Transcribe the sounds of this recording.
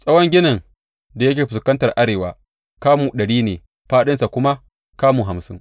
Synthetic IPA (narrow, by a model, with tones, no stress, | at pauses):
sʼɐ˦wɔ˦ŋɡʲɪ˦nɐ˨ŋ | da˨jɐ˦kʲeː˨ɸɪ˨skɐ˦ntɐ˨rʔa˦ɽeː˨waː˦ | kaː˦muː˨ɗɐ˨ɽiː˦neː˨ | ɸaː˦ɗɪ˦nsa˨kʷʊ˦ma˦ | kaː˦muː˨ɦa˨msɪ˦ŋ